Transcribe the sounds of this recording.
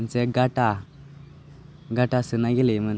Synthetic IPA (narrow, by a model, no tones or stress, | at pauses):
nt͡seɡaʈa | ɡaʈasənːaɡelemən